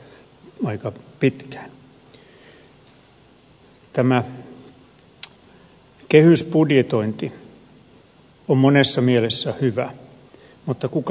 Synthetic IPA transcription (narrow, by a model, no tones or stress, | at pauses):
ɑikɑpit̪kæ̥ːn | t̪æmæ | kehyspudjet̪oint̪i | ommonesːɑmielesːæhyʋæ | mut̪ːɑkuk